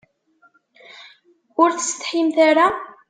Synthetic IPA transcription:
ʊɾθəst̪ħimθaɾa

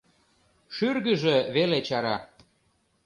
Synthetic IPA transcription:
ʃyrɣəʒĕβelet͡ɕɑɾɑ

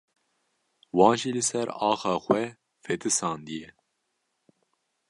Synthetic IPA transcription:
wɑ̃ːnʒilɨsɛɾɑːxɑːxʷɛ | fɛt̪ʰɨsɑːnd̪ijɛ

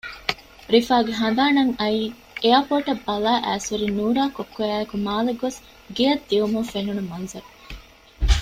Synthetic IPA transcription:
ɾifaːɡeɦɐn̆d̪aːnɐŋɐiː | ejɐpoːʈɐbːɐlaːʔæːsɐɾinuːɾaːkokːojæːekumaːleɡos | ɡejɐd̪ːiʋumuŋfenunumɐnzɐɾu

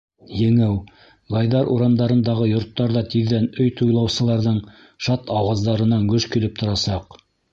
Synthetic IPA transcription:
jɘ̆ŋɘw | ʁɑjðɑɾʔuɾɑnd̪ɑɾɤ̆nd̪ɑʁɤjŏɾt̪ːɑɾðɑt̪iðːænɵjt̪ujlˠɑwsɤ̆lˠɑɾðɤɴ | ʃɑt̪ɑwɑzd̪ɑɾɤ̆nɑŋɡɵʃkilɘp̚t̪ŏɾɑsɑq

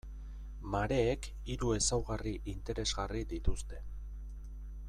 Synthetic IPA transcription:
maɾe̞ːk | iɾue̞sawɣariʔint̪e̞ɾe̞zɣarid̪it̪ust̪e̞

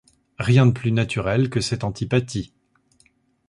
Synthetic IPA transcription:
ʁjɛ̃d̪əplynat̪yʁɛlkəsɛt̪ɑ̃t̪ʰipat̪ʰi

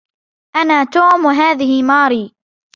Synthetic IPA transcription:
ʔanaːt̪oːmwaɦaːðɪhɪmɑːɾiː

